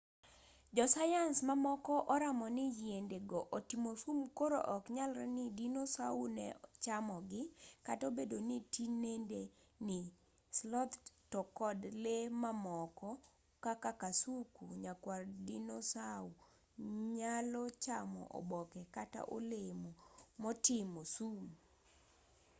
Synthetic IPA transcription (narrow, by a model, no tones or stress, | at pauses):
d͡ʒɔsajansmamɔkɔʔɔɾamɔnɪd͡ʒjendeɡɔʔotimosumkoɾo̰ʔɔkɲalɾɛnɪdinosaunɛ̰t͡ʃamɔɡɪkatobedonitinende | nɪ | slɔt̪tɔkɔdlemamɔkɔ | kakakasukṵɲakwardinosau | ɲalɔt͡ʃamɔ̰ʔɔ̰bɔkɛkata̰ʔo̰lemumɔtɪmosum